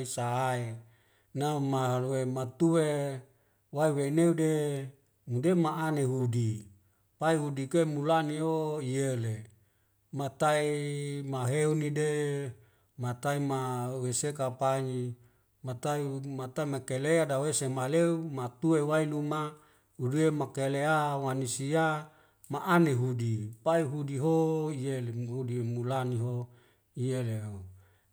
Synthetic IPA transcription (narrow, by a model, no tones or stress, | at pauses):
isaae | namaɦaluwemat̪uwe | waiweneude | mudemaaneɦudi | paiɦudikemulanioijele | mat̪aimaɦeunide | mat̪aimawesekapaɲi | mat̪aimat̪aimakeleadawesemaleumat̪uewailuma | hudiemakeleawanisia | maʔaniɦudipaiɦudiɦoijeleɦudimulaniɦo | ijeleɦo